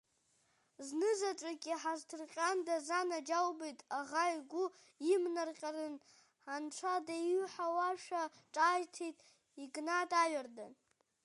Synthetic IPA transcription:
znɨzaʈ͡ʂʷʼakʲʼiħaztʰɨrqʲʼandazanad͡ʒawbejtʼaʁaiɡʷʊ | imnarqʲʼarɨn | ħanʈ͡ʂʷʰadajɥħawaʃᶣaʈ͡ʂʼaːjtʰejtʼ | iɡnatʼaɥardan

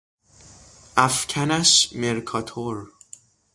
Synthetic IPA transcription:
ʔæfcʰænæʃmeɾkʰɒːt̪ʰoɾ

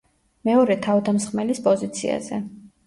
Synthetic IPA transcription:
mɛɔɾɛt̪ʰavd̪amsχmɛlispʼɔzit̪sʰḭa̰zɛ

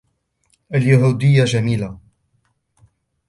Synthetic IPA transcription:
ʔaljaɦuːd̪ɪjːaʒamiːla

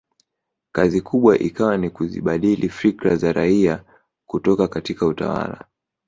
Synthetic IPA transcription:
kazikʰuɓwaʔikawanikuzḭɓaɗilʔifikɾazaɾaia | kutɔkakatikauta̰wa̰la̰

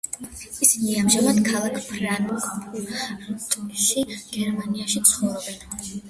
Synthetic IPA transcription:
isiniamʒamad̪kʰalˠakʰpʰɾanu | ɾt̪ʼʃiɡ̥ɛɾmaniaʃit̪sʰχɔvɾɔbɛn

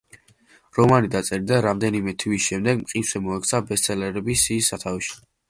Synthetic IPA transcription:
ɾɔmanid̪at̪sʼɛɾid̪aɾamd̪ɛnimɛt̪ʰvisʃɛmd̪ɛɡmqʼinsɛmɔɛkʰt̪sʰabɛst̪sʰʼɛlɛɾɛbisiːsːat̪ʰaviʃi̥

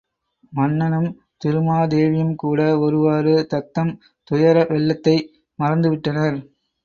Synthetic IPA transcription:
mɐnːɐnɐm | t̪ɪɾɯmaːd̪eːʋɪjɐmkuːɽɐɔɾɯʋaːɾɯt̪ɐt̪ːɐm | t̪ʊjɐɾɐʋɛɭːɐt̪ːɐɪ | mɐrɐnd̪ɯʋɪʈːɐnɐɾ

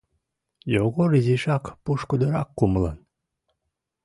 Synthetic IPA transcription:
joɣoɾiziʃɑkpuʃkud̪əɾɑkːumlən

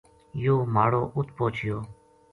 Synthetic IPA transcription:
joːmaːɽoːʔʊt̪̚ʰpoːt͡ʃʰɪjoː

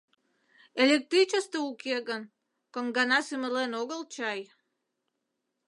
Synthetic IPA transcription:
elʲek̚t̪ɾit͡ɕəst̪əukeɣən | kəŋɡɑnɑsyməlenoɣəlt͡ɕɑj

